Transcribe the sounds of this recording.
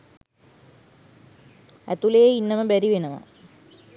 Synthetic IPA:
æ̰t̪ulejeinːɐməbæɾiʋenɐʋɐ̰

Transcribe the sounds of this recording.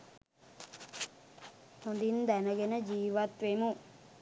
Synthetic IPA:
hond̪ind̪ænəɡenəd͡ʒiːʋat̪ʋemu

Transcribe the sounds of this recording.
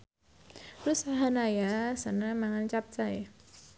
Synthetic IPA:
ɾusaɦanajasanamaŋant͡ɕap̚t͡saj

